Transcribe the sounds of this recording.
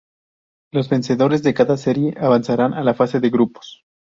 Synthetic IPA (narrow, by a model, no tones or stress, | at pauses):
lo̞zβe̞nse̞ðo̞ɾe̞zðe̞kaðase̞ɾje̞ʔaβansaɾanʔalafase̞ðe̞ɣɾupo̥s